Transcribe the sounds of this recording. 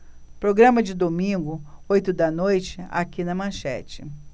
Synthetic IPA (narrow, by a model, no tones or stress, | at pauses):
pɾoɡɾɐ̃mɐd͡ʒɪd̪omĩɡʊojt̪ʊd̪ɐnojt͡ʃɪa̰kinɐmɐ̃ʃɛ̰t͡ʃɪ